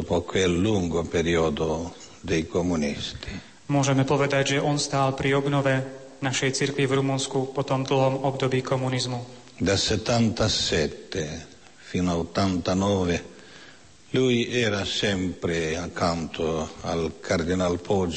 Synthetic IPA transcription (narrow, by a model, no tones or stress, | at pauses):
ɔpɔkwelːuŋɡopeɾiɔd̪o | d̪ɛjkomunist̪i̥ | mʊɔʒɛmɛpɔʋɛd̪aɟʒɛʔɔnst̪aːlpɾiɔbnɔʋɛ | naʃɛjt͡siɾkʋivɾumunskupɔt̪ɔmd̪l̩ɦɔmɔbd̪ɔbiːkɔmunizmu | d̪asɛt̪ːant̪asɛt̪ːe | finaot̪ːant̪anɔːve | lujɛːɾasɛmpɾeakʰːant̪ʰoalkʰaɾd̪inalpʰɔd͡ʒ